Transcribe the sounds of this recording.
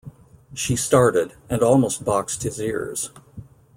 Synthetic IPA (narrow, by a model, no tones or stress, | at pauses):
ʃistɑɹɾɪɾ | ɨ̃nɔlˠmoʊst̚b̥ɑkst̚hɨzɪ̰ɹz̥